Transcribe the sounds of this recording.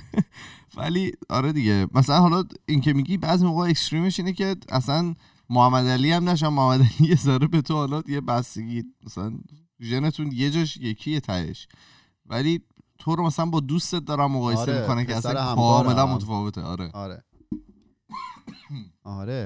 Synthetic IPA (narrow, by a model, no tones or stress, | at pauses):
væ̰liɒ̰ɾed̪iɟemæsælænɦɒlɒince̞miɟiːbæːzimoɣɛekst̪ɾiːme̞ʃiːnece̞æ̰sæn | mohæmːæd̪æliæmnæʃ̬ænmohæmːæd̪ælijezɒɾebe̞t̪ʰohɒlɒd̪ijebæst̪eɟiːmæsælænt̪ʰuʒe̞ne̞t̪ʰunje̞d͡ʒɒːʃje̞cʰijet̪ʰæhḛʃ | vælit̪ʰoɾomæsælænbɒːd̪ust̪et̪̚d̪ɒːɾæmːoɣɒːjese̞mmikʰo̞nækʰeæsænkʰɒːme̞lænmot̪ʰefɒːve̞t̪ʰḛɒ̰ːɾḛɾe | ɾ